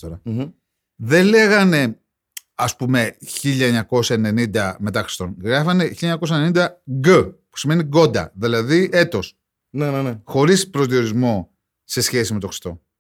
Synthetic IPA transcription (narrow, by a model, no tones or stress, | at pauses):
oɾɐ | ðe̞nle̞ɣɐne̞ | ɐspume̞çiʎɐeɲɐko̞sɐene̞nind̪ɐme̞t̪ɐxɾist̪o̞nɣɾɐfɐne̞çiʎeɲɐko̞s̬ɐenenind̪ɐɡəpu̥sime̞niɡo̞d̪ɐ̰ðilɐðie̞t̪o̞s | nenenexo̞ɾispɾo̞zðio̞ɾizmo̞ | se̞sçe̞sime̞t̪o̞xɾi̥st̪o̞